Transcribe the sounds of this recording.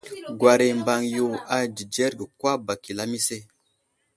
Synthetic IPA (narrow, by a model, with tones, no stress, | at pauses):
ɡwa˨ɾe˨mba˨ŋju˨a˨d͡ʒi˨d͡ʒe˦ɾɡə˨kwa˦ba˨ki˨la˦mi˦se˦